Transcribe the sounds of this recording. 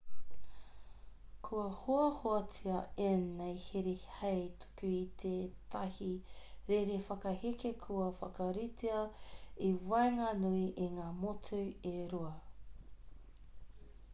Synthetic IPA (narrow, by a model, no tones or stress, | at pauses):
kʰuɐhoɐhoɐt͡siɐenːejhiɾehɐjt̪ʰo̥kuit̪ʰet̪ʰɐhiɾeɾefɐkɐhikekʰuɐfɐ̰kɐɾitʰeɐiwɐeŋɐnuiʔeŋaːmotʰuɥeɾuɐ